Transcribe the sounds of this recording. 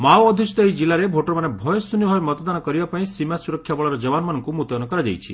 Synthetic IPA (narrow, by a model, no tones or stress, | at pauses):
mawɔd̪ʱisit̪eid͡ʒilːaɾebʱoʈɔɾmanebʱɔjɔsunibʱabemɔt̪ɔd̪anɔkɔɾibapaĩsimasuɾɔkʰːjabɔɭɔɾɔd͡ʒɔbanɔmanɔŋkumut̪jɔnɔkɔɾad͡ʒa̰jt͡ʃʰi